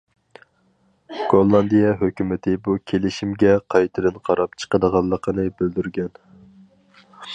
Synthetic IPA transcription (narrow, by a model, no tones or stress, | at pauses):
ɡ̥olˠːɑnd̪ijɛɦøkʲymɪt̪ʰɪbukʲʰelɪʃimɡʲɛqʰɑjt̪ʰɨd̪ɨnqʰɑɾɑp̚t͡ʃʰə̥qəd̪əʁɑlˠːəqʰənɨbyld̪yɾɡʲɛn